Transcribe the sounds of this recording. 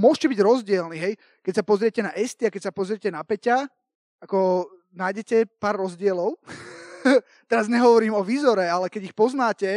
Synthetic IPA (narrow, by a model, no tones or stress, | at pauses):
mʊɔʃcɛbiɟɾɔzɟɪɛlniɦɛj | kɛc̚sapɔzɾɪɛcɛnaʔɛst̪iakɛc̚sapɔzɾɪɛcɛnapɛca | akɔ | naːjɟɛcɛpaːɾːɔzɟɪɛlɔʊ | t̪ɛɾazɲɛɦɔʋɔɾiːmɔʋiːzɔɾɛalɛkɛɟixpɔznaːcɛ